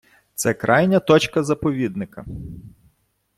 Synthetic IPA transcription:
t̪sɛkɾʔɑjnʲɐt̪ɔt͡ʃkɐzɐpɔʋʲid̪nɪkɐ

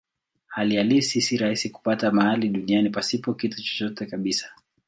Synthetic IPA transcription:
halialisisiɾahisiku̥patamahaliɗunianipasipɔkitut͡ʃɔ̥t͡ʃɔtɛkaɓisḁ

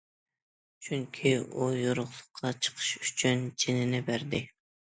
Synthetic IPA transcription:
t͡ʃʰyŋkʲʰiujoɾʊχlˠʊqʰːɑt͡ʃʰə̥qʰə̥ʃy̥t͡ʃʰynt͡ʃʰenɪnɪbæɾd̪ɪ

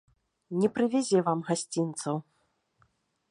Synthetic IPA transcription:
nʲɛpɾɨvʲazʲɛvamɣasʲt͡sʲint̪sɐw

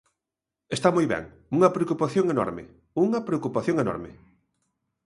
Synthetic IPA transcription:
est̪amojβɛ̰ŋ | uŋɐpɾeokupaθjõŋenɔ̰ɾmḛ | uŋɐpɾeokupaθjõŋenɔ̰ɾmɪ̰

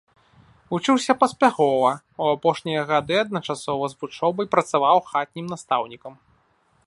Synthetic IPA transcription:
vut͡ʂɨwsʲɐpɐsʲpʲaxɔvɐ | uapɔʂnʲijɐɣad̪ɨɐd̪̚nɐt͡ʂasɔvɐzvut͡ʂɔbɐjpɾɐt̪savawxat̪̚ʲnʲimnast̪awnʲikɐm

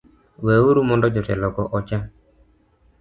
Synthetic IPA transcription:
weuɾumɔndɔd͡ʒɔtɛlɔɡɔʔɔt͡ʃa

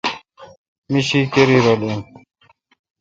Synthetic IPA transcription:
miɕikeɾiɾolun

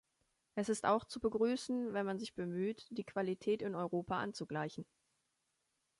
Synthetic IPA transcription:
ʔɛsɪsta̰ʊxt͡subəɡʁyːsn̩vɛnmanzɪçb̥əmyːtd̥iːkv̥alitʰɛːtɪnɔʏʁoːpaʔant͡suɡlaɪçn̩

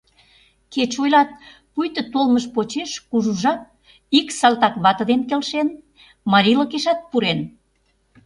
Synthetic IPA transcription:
ket͡ɕojlɑt̪̚pujt̪ə̆t̪olməʃpot͡ɕeʃkuʒuʒɑk̚ | iksɑlt̪ɑkβɑt̪ə̆d̪enkelʃen | mɑɾʲilokeʃɑt̪̚puɾen

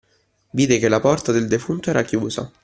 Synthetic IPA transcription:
viːd̪ekelːapɔrt̪ad̪eld̪efunt̪oɛːɾakjuːza̰

